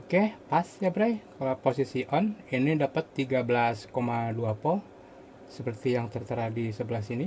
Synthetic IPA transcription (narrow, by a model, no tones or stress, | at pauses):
okepasjabɾajkalaposisiʔɔninidapət̪ːiɡabəlaskomaduapɔl | səpərt̪ijaŋt̪ərt̪əɾadisəbəlasini